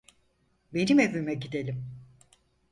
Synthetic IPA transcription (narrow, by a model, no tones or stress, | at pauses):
be̞nimevymɛɟid̪elʲim